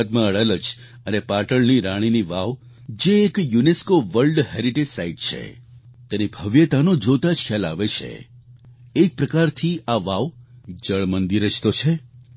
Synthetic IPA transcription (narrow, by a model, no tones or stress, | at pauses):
t̪mãəɭələd͡ʒ | ənepaʈəɭniɾaɽ̃iniʋaʋ | d͡ʒeːkjuneskoʋəɾlɖheɾiʈed͡ʒsaiʈ̚t͡ʃʰḛt̪enibʱəʋjət̪anod͡ʒot̪ad͡ʒkʰjala̰ʋet͡ʃʰḛ | ek̚pɾəkaɾt̪ʰiaʋaʋd͡ʒəɭmənd̪iɾəd͡ʒt̪ot͡ʃʰe